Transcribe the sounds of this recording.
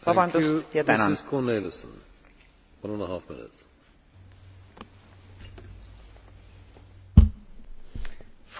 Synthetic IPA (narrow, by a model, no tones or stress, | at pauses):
vɑbɑnd̪ust̪jɑt̪ænɑskʰɔːneləsə̰̃n | wʌ̃nə̃nəɦafmɪ̰̃nɪ̰ts | f